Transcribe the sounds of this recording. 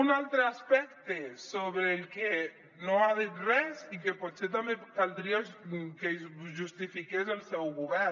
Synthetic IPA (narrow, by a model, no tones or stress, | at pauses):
unalt̪ɾeaspɛkt̪esoβɾeːlke | noaðit̪rɛzikepot̪set̪̬amekald̪ɾiakezʒust̪ifikezelˠsɛwɣuβɛɾ